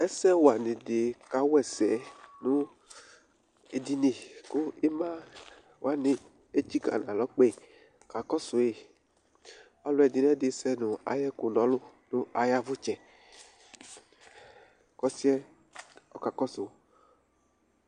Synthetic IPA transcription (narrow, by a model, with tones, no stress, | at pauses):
ɛ˦sɛ˦wa˨nẽ˨de˨ka˨wɛ˨sɛ˨nũ˦ | e˨di˦nĩ˨kʊ˦e˦mã˦ | wa˨˦nɪ̃˨ | e˦d͡ʒi˦ɡa̰˨nã˨lɔ˨˦k͡pe˦˨ | ka˨kɔ˦sʊ˨e˨ | wa˦lʊ˦ɛ˨di˦n˦ɛ̃˦de˨sɛ˦nũ˨a̰˨jɛ˦kʊ˨nɔ̃˨˦lʊ˦nũ˦a˨ja˦vʊ˦t͡ʃɛ˨ | kɔ˦si˦ɛ˦ | ɔ˦ka˨kɔ˦sʊ˨